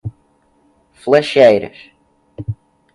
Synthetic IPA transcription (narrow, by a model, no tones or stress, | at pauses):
flˠɛʃejɾɐ̰ʃ